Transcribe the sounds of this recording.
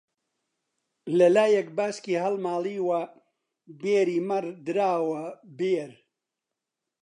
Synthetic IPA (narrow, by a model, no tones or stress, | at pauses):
lɐlaːjɛk̚baːskiːɦɐlmaːliːwɐ | beːɾiːmɐɾd̪ɨɾaːwɐbeːɾ